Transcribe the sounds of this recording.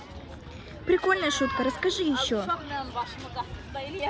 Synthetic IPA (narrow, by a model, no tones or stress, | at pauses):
pɾʲɪkolʲnəəʂut̪̚kəɾəskɐʐɨjɪɕːo